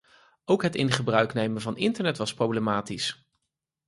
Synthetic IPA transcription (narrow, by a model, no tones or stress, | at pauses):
owkɦətɪnχəbrœɥknejmənvɑnɪntəɹnɛtʋɑsprowblemaːtis